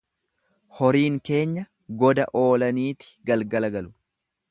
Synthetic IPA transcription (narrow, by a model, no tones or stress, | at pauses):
hɔɾiːŋke̞ːɲːɐ | ɡɔd̪ɐ̰ʔo̞ːlɐniːt̪ɪ̥ɡɐlɡɐlɐɡɐlʊ̥